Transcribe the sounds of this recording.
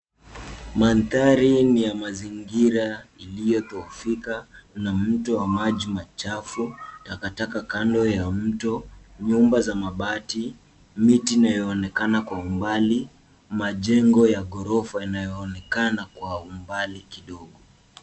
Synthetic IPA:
manθaɾinijamaziŋɡiɾailijɔtɔfikanam̩tɔwamaʄimat͡ʃafutakatakakandɔjam̩tɔɲumbazamaɓati | mitinajɔːnɛkanakwaumbali | maʄɛŋɡɔjaɠɔɾɔfainajɔːnɛkanakwaumbalikiɗɔɠɔ

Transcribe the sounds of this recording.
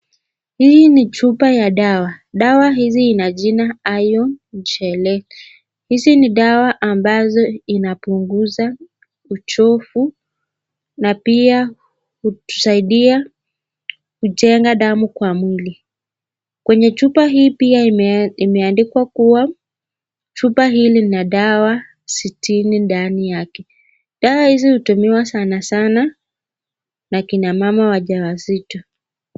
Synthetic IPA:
hiinit͡ʃupajaɗawaɗawaɦiziːnaʄinaajɔnt͡ʃɛlɛ | hiziniɗawaʔambazɔinapuŋɡuza | ut͡ʃɔfu | napia | hutu̥saiɗia | hut͡ʃɛŋɡaɗamukwamwili | kwɛɲɛt͡ʃupaɦiːpiaiimɛandikwakuwa | t͡ʃupaɦilinaɗawa | sitinindanijakɛ | ɗawahizihutumiwasanasana | nakinamamawaʄawazitɔ

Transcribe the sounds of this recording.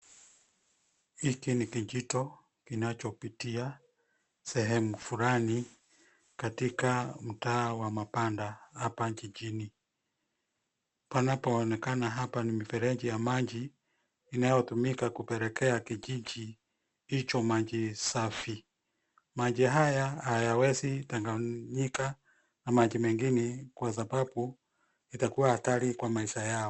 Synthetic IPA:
hikinikid͡ʒitɔ | kinat͡ʃɔpitia | sɛɦɛmufuɾani | katikam̩taːwamapandahapad͡ʒiʄini | pwanapɔːnɛkanaɦapanimifɛɾɛɲd͡ʒijamad͡ʒiː | najɔtumikakupɛɾɛkɛakid͡ʒid͡ʒi | hit͡ʃɔmaɲd͡ʒisafi | maɲd͡ʒiɦajahajawɛzitaŋɡaɲika | namaɲd͡ʒimɛŋɡinɛkwazababu | itakuwahatalikwamaiʃajaɔ

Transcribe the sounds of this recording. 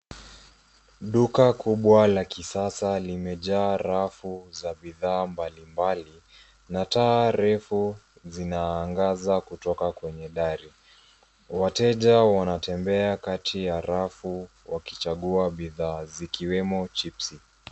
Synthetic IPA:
ɗukakuɓwalakisasalimɛʄaːɾafuzaɓiðaːmbalimbali | nataːɾɛfu | zinaːŋɡazakutɔkakwɛɲɛɗaɾi | watɛʄawanatɛmbɛakatʰijaɾafu | waki̥t͡ʃaɠuaɓiðaːzikiwɛmɔt͡ʃipsi

